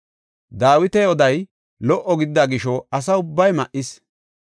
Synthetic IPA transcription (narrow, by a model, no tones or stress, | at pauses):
d̪aːwɪt̪ɛɔd̪ɐj | lɔʔːɔɡɪd̪d̪ːaɡɪʃɔɐs̬ɐʊbːɐjmɐʔɪs